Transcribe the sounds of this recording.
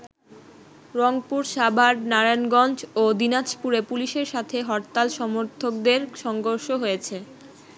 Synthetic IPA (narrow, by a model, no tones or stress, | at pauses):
ɾɔŋpuɾʃabʱaɾnaɾanɡɔnd͡ʑod̪inat͡ɕpuɾepuliʃeɾʃat̪ʰeɦɔɾt̪alʃɔmoɾt̪ʰok̚d̪eɾʃɔŋɡoɾʃoɦojet͡ɕʰe